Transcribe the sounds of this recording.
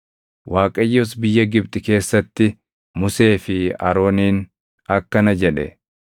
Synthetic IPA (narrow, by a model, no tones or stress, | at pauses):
wʔaːkʼɐjːʊs̬bɪjːɐɡɪb̚t̪ʼɪke̞ːsːɐt̪ːɪ | mʊse̞ːfɪɐɾo̞ːniːn | ɐkːɐnɐd͡ʒɛᶑɛ̰